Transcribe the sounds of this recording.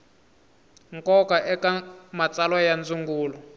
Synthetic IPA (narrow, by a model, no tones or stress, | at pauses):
ŋkɔkaʔɛkamat͡salwajand͡zuŋɡuːlɔ